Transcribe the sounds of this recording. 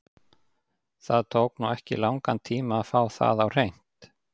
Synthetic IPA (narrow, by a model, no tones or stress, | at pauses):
θaðt̪ʰoːwknuɛhcɪ̰lawŋkant̪ʰiːmaːfaːwθa̰ðawr̥ejn̥t̪